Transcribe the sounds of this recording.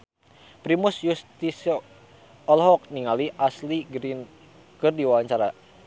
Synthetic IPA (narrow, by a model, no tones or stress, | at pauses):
pɾimusjust̪isɔ | ɔlɦɔk̚niŋaliʔasliɡɾin | kɨrdiwawaɲt͡ʃaɾa